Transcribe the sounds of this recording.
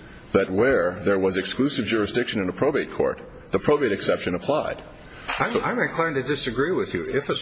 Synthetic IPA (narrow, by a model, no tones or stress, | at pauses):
ðɨt̚wə˞ðə˞wʌzɨksklʉsɨvd͡ʒʊɹɨsdɪkʃɨ̃nɨ̃nəpʰɹ̥oʊbieɪt̚kʰɔ̰ɹt̪̚ | ðiəpʰɹ̥oʊbieɪɾɨksɛpʃɨ̃nəpʰl̥aɪd̥ | aãɪ̃mɨ̃nkʰl̥ãɪɪ̃ntɨdɪsɨɡɹiwɪðjɨɪfə